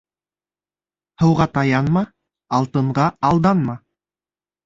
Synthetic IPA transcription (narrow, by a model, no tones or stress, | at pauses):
hɤ̆wʁɑt̪ɑjɑnmɑ | ɑlˠt̪ɤ̆ɴɢɑɑlˠd̪ɑnmɑ